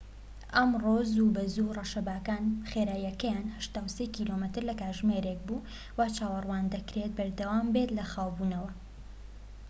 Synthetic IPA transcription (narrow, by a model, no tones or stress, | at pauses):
ʔɐmroːzuːbɐzurɐʃɐbaːkaːnχeɾaːjɐkɐjaːnhɐʃt̪aːwsekiːlomɨt̪ɨɾlɐkaːʒmeɾek̚buː | waːt͡ʃaːwɐrwaːnd̪ɐkɾet̪̚bɐɾd̪ɐwaːmbet̪lɐxaːwbuːnɐwɐ